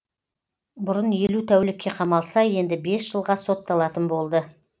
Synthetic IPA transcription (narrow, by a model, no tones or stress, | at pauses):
bʊɾənje̞lut̪ʰæwlɪkʲːe̞qʰɑmɑlˠsɑje̞nd̪ɪbe̞sʒ̥əlˠʁɑso̞t̪ːɑlˠɑt̪ənbo̞lˠd̪ə